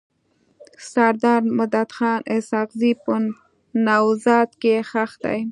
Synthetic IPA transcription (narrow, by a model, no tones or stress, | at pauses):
saɾd̪ɑɾmʊd̪at̪xɑːnʔɪsɑqzipə | nawzɑt̪kexaxd̪a̰j